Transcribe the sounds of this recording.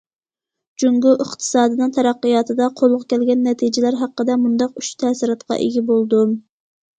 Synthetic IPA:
d͡ʒuŋɡuʔəχt̪ʰɨ̥sɑːd̪ɨnɨŋt̪ʰɛɾɑqːɨjɑːt̪ʰɨd̪ɑqʰolˠʁʊkʲʰɛlɡʲɛnːɛt̪ʰid͡ʒɪlæɾɦæqːəd̪ɛmund̪ɑqyʃt̪ʰɛsɨɾɑt̪qɑ̰ʔeɡʲibolˠd̪u

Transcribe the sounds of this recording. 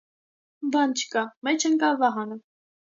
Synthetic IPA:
bɑnt͡ʃʰə̥kɑmɛt͡ʃʰəŋkɑvɑɦɑnə

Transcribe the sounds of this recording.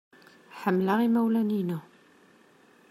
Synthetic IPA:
ħəmːlaʁimæwlæninu

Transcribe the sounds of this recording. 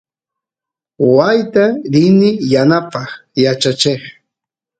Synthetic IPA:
owajt̪aɾɪnɪjanapɑχjat͡ʃat͡ʃeχ

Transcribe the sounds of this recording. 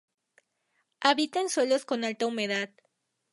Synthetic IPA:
aβit̪enswe̞lo̞sko̞nalt̪aume̞ðað

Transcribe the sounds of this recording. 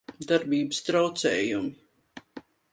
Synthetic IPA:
d̪aɾbiːbəst̪ɾawt̪sɛːjumi

